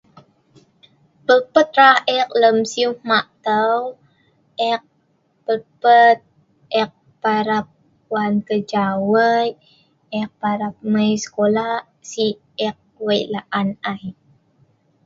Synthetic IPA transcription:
pəlpət̪̚ɾahɛk̚ləmsiuhmaʔt̪əw | ʔɛk̚ | pərpət̪̚ | ʔɛk̚ | paɾap̚ | wankəd͡ʒawəj | ɛk̚paɾap̚məjsə̥kolah | si | ɛk̚wəjlaʔanaj

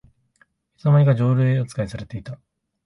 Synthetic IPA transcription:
i̥t͡samaɾʲiɡad͡ʑo̞ːɾɯ̟eot͡sɨ̥kaisaɾe̞t̪e̞it̪a

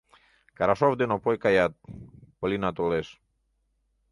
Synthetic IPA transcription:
kaɾaʃɔvd̪enopɔjkajat̪̚polinat̪oles

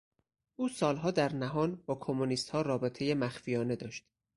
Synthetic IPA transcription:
ʔuːsɒːlɦɒːd̪æɾnæɦɒːnbɒːkʰo̞muniːst̪hɒːɾɒːbet̪ʰe̞je̞mæxfijɒːne̞d̪ɒːʃt̪

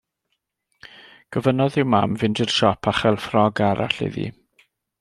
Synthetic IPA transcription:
ɡ̥əvənɔðɪwmamvɪndɪrʃɔpʰaχɛlˠfrɔɡaɾa̰ɬɪ̰ðḭ

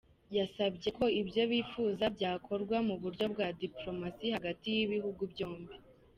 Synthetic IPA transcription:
jasabɟe̞kʰo̞ibjo̞βiːfuːzabɟaːkʰo̞ɾɡwamuβuɾɟo̞bɡwaːdiplo̞masihaɡatijiβihuɡubɟo̞ːmbi

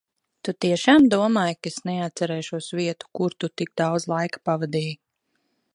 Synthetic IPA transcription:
t̪ut̪iɛʃaːmd̪uɔmaːjkesnɛat̪sɛɾɛːʃuɔsviɛt̪u̥kuɾt̪ut̪iɡ̚d̪awd̪zlˠajkḁpavad̪iːj

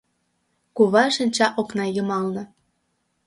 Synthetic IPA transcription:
kuβɑʃənʲt͡ɕɑʔoknɑjəmɑlnɤ̆

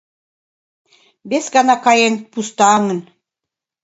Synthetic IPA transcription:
besɡɑnɑkɑjen̚pust̪ɑŋə̆n

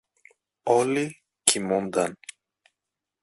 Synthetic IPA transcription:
oli | cʰimund̪ɐn

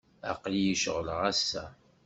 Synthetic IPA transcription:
a̰qljiʃʁləʁæsːæ

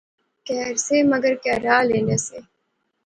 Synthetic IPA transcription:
kɛːɾseːmɐɡəɾkɛːɾaːleːneːseː

